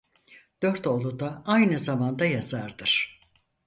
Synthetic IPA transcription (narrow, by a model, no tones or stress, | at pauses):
d̪̥øɾt̪o̞lˠud̪aajnɯzamand̪ajazaɾd̪ɯɾ̥